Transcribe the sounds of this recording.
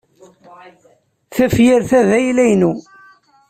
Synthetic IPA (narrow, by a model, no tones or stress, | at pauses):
θæfjɪɾθæðæjlæjnu